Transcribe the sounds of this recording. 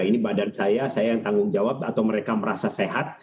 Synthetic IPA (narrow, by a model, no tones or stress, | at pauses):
inibadansajasajajaŋt̪aŋɡʊŋd͡ʒawab̚at̪awməɾekaməɾasaseɦat̪̚